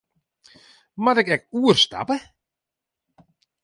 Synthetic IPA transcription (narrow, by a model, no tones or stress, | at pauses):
matɪkɛk̚uərsta̰pə